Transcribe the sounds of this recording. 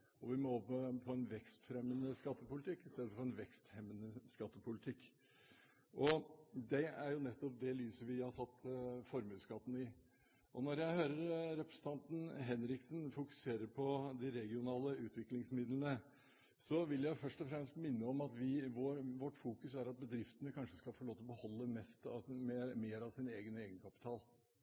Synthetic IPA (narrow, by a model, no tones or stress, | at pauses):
ɔʋɪmɔɔpəpʰɔɛnʋɛkst̪fɾɛmːənəskɑt̪ːəpʊlɪt̪ʰɪkːɪst̪eːd̪əfɔɾɛnʋɛkst̪hɛmːənəskɑt̪ːəpʰʊlɪt̪ʰɪkː | ʔɔd̪ɛæɾjʊnɛt̪ːɔp̚d̪ɛlyːsəʋɪhɑsɑt̪ːfɔɾmʉːskɑt̪ːn̩ɪ | ʔɔnɔɾjæɪhøːɾəɾɾɛpɾəsən̩t̪ʰɑnt̪n̩ɦɛnɾɪksnfʊkʉ̥seːɾəɾpʰɔd̪ɪɾɛɡɪʊnɑːləʉːt̪ʋɪklɪŋsmɪd̪lənə | sɔʋɪljæɪfœʂʈɔfɾɛmst̪mɪnːəɔmɑt̪ʋɪʋoʋɔʈːfuːkʉsæɾɑt̪̚bəd̪ɾɪft̪ənəkʰɑnʂəskɑfoɾɭoːt̪ɔbəhɔlːəmɛst̪ɑ̰memeːɾɑʋsɪneːɡəneːɡənəkʰɑpɪ̥t̪ʰɑːl